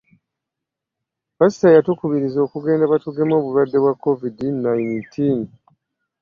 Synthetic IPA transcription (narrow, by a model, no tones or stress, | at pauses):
pasi̥tajatukuβiɾizo̞ːkuɡe̞ːndaβatuɡe̞mo̞ːβulwadːe̞βwakːo̞vidinːajntʰin